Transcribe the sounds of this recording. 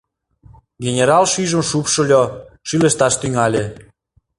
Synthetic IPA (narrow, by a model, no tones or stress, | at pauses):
ɡʲenʲeɾɑlʃyʒə̆mʃupʃŏlʲoʃylə̆ʃt̪ɑʃt̪yŋɑlʲe